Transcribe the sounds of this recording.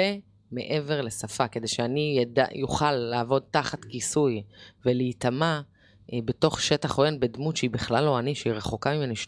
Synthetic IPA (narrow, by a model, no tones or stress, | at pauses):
e | me̞̰ʔe̞ve̞ʁle̞safake̞d̪e̞jʃeaniada̰juχalːaːvo̞d̪̚t̪aχatkisujve̞liːtama | be̞to̞χʃe̞taχojenbe̞d̪mutʃeibiχlalːo̞aniʃeiʁe̞χokaimaniʃ